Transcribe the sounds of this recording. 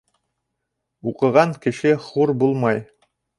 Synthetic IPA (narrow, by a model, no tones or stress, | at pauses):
uqɤ̆ʁɑŋkɘ̆ʃɘχuɾbulˠmɑj